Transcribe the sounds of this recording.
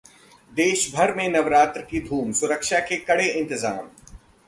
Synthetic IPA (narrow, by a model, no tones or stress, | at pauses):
d̪eːʃbʱɐɾmẽnɐʋɾaːt̪ɾəkid̪ʱuːmsʊɾəkʃakekɐɽeʔɪ̃nt̪ɪza̰ːm